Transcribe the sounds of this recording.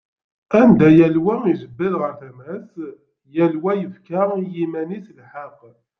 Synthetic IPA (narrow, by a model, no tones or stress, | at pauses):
ænd̪æjælwæizəbːilʁəɾθæmæs | jælwæjəfkajimæniθlħəq